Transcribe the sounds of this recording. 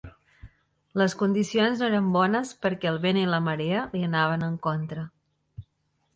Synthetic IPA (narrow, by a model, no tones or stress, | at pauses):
ləskund̪isionznoeɾəmbɔnəspəɾkɛəlˠβeniləməɾeəliənaβ̞ənəŋkont̪ɾə